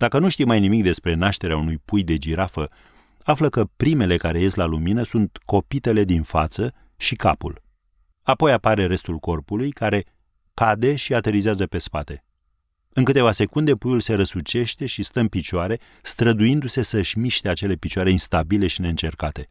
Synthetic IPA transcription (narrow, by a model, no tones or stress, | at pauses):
d̪̥akənuʃt̪iwmajnimikd̪e̞spɾe̞naʃt̪e̞ɾeaunujpujd̪e̞d͡ʒiɾafə | afləkəpɾime̞le̞kaɾe̞je̞st̪laluminəsunt̪ko̞pit̪e̞le̞d̪infat̪sə | ʃikapṵl | apo̞japaɾe̞ɾe̞st̪ulko̞rpulujkaɾe̞ | kad̪e̞ʃiat̪e̞ɾizeazəpe̞spat̪e̞ | ɨnŋkɨt̪e̞vase̞kund̪e̞pujulse̞ɾəsut͡ʃe̞ʃt̪e̞ʃist̪əɨnpit͡ʃoaɾe̞ | st̪ɾəd̪ujind̪use̞səʃʲmiʃt̪eat͡ʃe̞le̞pit͡ʃoaɾe̞inst̪abile̞ʃine̞ɨnt͡ʃe̞rkat̪e̞